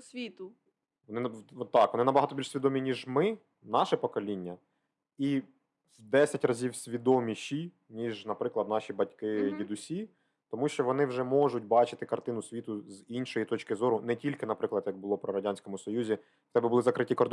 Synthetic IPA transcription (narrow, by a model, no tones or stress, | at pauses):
sʲʋʲit̪ʊ | ʋɔnɪɔt̪ːɑkʋɔnɪnɐbɐɦɑt̪ɔbʲilʃsʲid̪ɔmʲinʲiʒmɪ | nɑʃɛpɔkɔlʲinʲːɐ | i | wd̪ɛsʲɐtʲrɐzʲiwsʲʋʲid̪ɔmʲiʃi | nʲiʒnɐpɾɪklˠɐd̪nɑʃʲibɐtʲkɪdʲid̪ʊsʲi | t̪ɔmuʃt͡ʃɔʋɔn̪ɪwʒɛmɔʒʊt̚ʲbɑt͡ʃɪ̥t̪ɪkɐrt̪ɪnʊsʲʋʲit̪ʊzinʃɔjit̪ɔt͡ʃkɪzɔɾʊnɛtʲilʲkɪnɐpɾɪklˠɐd̪jɐɡ̚bʊlˠɔpɾɔɾɐdʲanʲsʲkɔmʊsɔjuzʲi | xt̪ɛbɪbʊlˠɪzɐkɾɪtʲikɔrd̪